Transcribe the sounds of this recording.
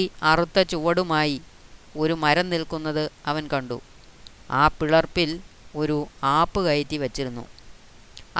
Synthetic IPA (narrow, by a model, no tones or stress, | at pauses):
iɐrut̪ːɐt͡ɕuʋɐɽumaːji | o̞ɾumɐɾɐnːilkunːɐðɨɐʋɐnkɐɳɖṵ | aːpiɭɐrpːilo̞ɾuaːpːɨkɐjɐt̪ːiʋɐt͡ɕːiɾunːṵ